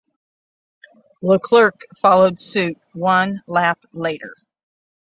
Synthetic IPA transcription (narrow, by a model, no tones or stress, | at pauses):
ləkʰl̥ɜ˞kfɑlˠoʊd̥sʉt̚wʌ̃nlæp̚leɪɾə̰˞